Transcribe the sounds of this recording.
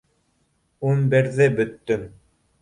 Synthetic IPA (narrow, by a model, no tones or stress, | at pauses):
unbɘ̆ɾðɘbɵ̆t̪ːɵm